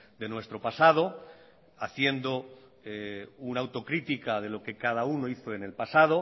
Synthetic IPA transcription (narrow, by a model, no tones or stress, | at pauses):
d̪e̞nwe̞st̪ɾo̞pasað̞o̞ | aθje̞nd̪o̞ | eunawt̪o̞kɾit̪ikað̞e̞lo̞ke̞kaðaunoiθoe̞ne̞lpasaðo̞